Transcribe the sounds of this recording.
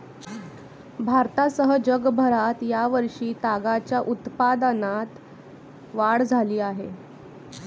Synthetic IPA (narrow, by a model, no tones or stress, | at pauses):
bʱaɾt̪asəɦəd͡ʑəɡbʱəɾat̪jaʋəɾʂiːt̪aɡat͡ɕjaʔut̪pad̪ənat̪ | ʋaɽd͡zʱaliːaɦe